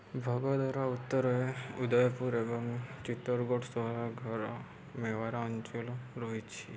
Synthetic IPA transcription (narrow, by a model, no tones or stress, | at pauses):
bʱɔɡɔd̪ɔɾaut̪ːɔɾɔeud̪ɔjpuɾebɔŋt͡ʃit̪ːɔɾɡoʈʰsɔɦɾaɡʱɔɾɔ | mewaɾaɔnt͡ʃɔlɔɾɔɦit͡ʃʰi